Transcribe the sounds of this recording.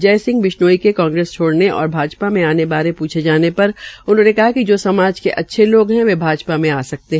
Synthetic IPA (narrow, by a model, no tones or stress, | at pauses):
d͡ʒɛːsɪ̃ŋɡʋɪʃnoːikekãːŋɡɾeːst͡ʃʰoːɽneʔɔ̰ːɾbʱaːd͡ʒpamẽaːnebaːɾẽpuːt͡ʃʰed͡ʒaːnepɐɾʊnɦõːnekɐɦakid͡ʒoːsɐmaːd͡ʒkeʔɐtːʃʰeloːɡɦɛ̃ʋebʱaːd͡ʒpamẽaːsɐk̚t̪eɦ